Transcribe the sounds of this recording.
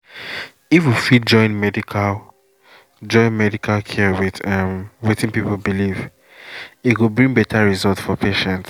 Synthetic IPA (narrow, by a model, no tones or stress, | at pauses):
ifjifit̚d͡ʒɔ̃ɪ̃nmɛdikʰal | d͡ʒɔ̃ɪ̃nmɛdikʰalkʰɛwiðãmwetĩnpipol̩biliv | itwilbɹĩŋbɛtʰaɹizɔltfɔpʰeʃɛ̃nt